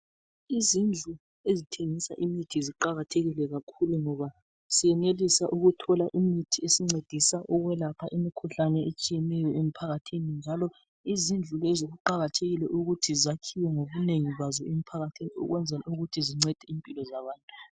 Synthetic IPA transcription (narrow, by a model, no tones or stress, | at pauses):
izind͡ɮʱu | ezitʰeŋisa̰ʔimitʰiziǃaɣatʰeɣilɛɣakʰuluŋɔβa | sijɛnelisaʔuɣutʰɔlaʔimitʰiesiŋ͡ǀed̥ʱisaʔɔɣwɛlapʰaʔimikʰuɬanɛet͡ʃʼijɛnɛjɔemipʰaɣatʰinind͡ʒʱalɔ | izind͡ɮʱulɛzoɣuǃaɣatʰeɣilɛʔuɣutʰizakʰiwɛŋoβuneŋiβazɔem̩pʰaɣatʰiniɔ̰ɣwɛnd͡zʱɛla̰uɣutʰiziŋ͡ǀɛd̥ʱɛimpʼilɔzaβaːntʼu